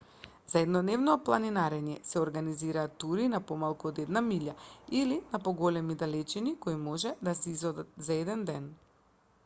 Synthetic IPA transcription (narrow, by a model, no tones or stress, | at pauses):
z̥aɛd̪nɔd̪nɛvnɔplˠaninaɾɛɲɛsɛɔɾɡaniziɾaːt̪ːuɾinapɔmalˠkuɔd̪ɛd̪namiʎjailinapɔɡɔlɛmid̪alɛt͡ʃinikoimɔʒɛd̪asɛizɔd̪at̪zaɛd̪ɛnd̪ɛn